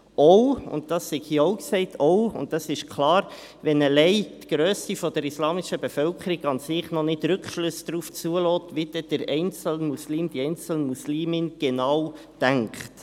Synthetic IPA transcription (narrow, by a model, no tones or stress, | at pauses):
ʔɔʊʊ̰nt̚d̥ɑsːiɡhiːəɔʊksɛɪtʰɔʊʊ̰nttɑsɪʃkʰlɑːɾ | ʋɛnəlɛɪtɡ̥ɾøːsifɔd̥əɾislɑːmɪʃəbefœlkχəɾiɡɑnsɪχnɔnɪtɾɵkʃløsd̥ɾuːft͡suəlɔːtʋid̥ɛd̥əɾɛɪnt͡səl̩nmusliːmd̥iɛɪnt͡sl̩nmusliːmɪnɡ̥enɑːw | d̥æŋkχt